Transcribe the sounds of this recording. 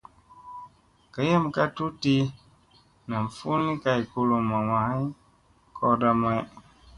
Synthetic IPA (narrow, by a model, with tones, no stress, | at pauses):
ka˨jɛ˦m˨ka˦tu˦ti˦ | nã˨ɱ˨fu˦nĩ˦ka˨i˨ko˧lo˨mã˨wã˨hã˦ | kʰɔ˦da˦ma˦ɛ˦